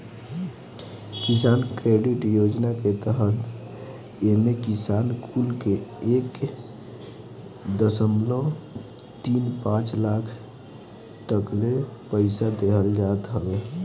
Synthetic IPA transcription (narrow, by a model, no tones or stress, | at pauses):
kisankɾeɖiʈjod͡ʒnaket̪əɦət̪ | emekisankʰulkeek | d̪əsəmlo | t̪inpãt͡ʃlakʰ | t̪əklepəɪsad̪eɦʰəld͡ʒat̪ɦəbe